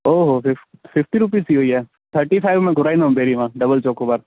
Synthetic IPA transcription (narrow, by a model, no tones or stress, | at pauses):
oːɦoːfɪfɪfʈiɾʊp̬iːsiɦoːiɦɛː | t̪ʰəɾʈipʰaɪʋmɛ̃ːɡʱʊɾaːĩnd̪aɦũbeːɾiʋãːɖɐbəlt͡ʃoːkoːbaɾ